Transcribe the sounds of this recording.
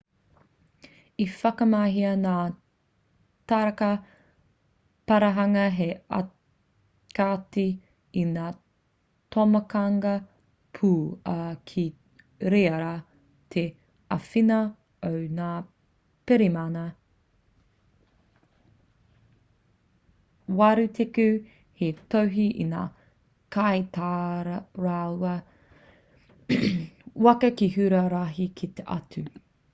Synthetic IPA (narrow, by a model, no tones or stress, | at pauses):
ifɐkɐmaɦiɐnaː | taɾɐkɐ | pɐɾɐɦɐŋɐɦeɐ̰ | kati | inaː | tʰomɐkɐŋɡɐ | pʰuːɐkʰi | ɾeːɐɾa | t̪ʰe | ɐfinɐ | ownaː | peɾimanɐ | waɾʉtʰekʉ | hetowɦiʔḭna̰ː | kajtaːɾɾawɐ | wɐkɐkihʉɾɐɾaɦikʰit̪eʔɐtʰʉ